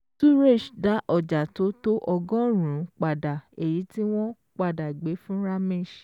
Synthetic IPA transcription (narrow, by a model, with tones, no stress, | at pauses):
tu˦ɾe˦˨ʃda˨˦ʔɔ˨d͡ʒa˨to˨˦to˦ʔɔ˧ɡɔ̃˦ɾũ˨˦k͡pa˨da˨e˨ji˨˦ti˦w̃ɔ̃˦ | k͡pa˦˨da˨ɡ͡be˨˦fũ˦ɾa˦mẽ˦˨ʃ